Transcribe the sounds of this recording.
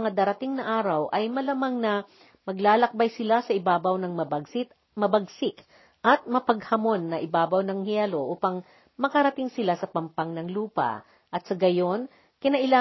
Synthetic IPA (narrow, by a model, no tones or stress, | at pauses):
ŋad̪ɐɾɐt̪iŋnɐʔaːɾɐwʔɐjmɐlamaŋnɐ | mɐɡlaːlɐk̚bajsɪlasɐʔɪbaːbɐwnɐŋmɐbɡɪ | mɐbɐɡsɪk | ʔɐt̪̚mɐpɐɡhɐmo̞nːɐʔɪbaːbɐwnɐŋhjɛlo̞ʔuːpɐŋ | mɐkɐɾɐt̪ɪŋsɪlasɐpɐmpɐŋnɐŋluːpɐ̰ | ʔɐt̪̚sɐɡɐjo̞n | kɪnɐʔɪlaː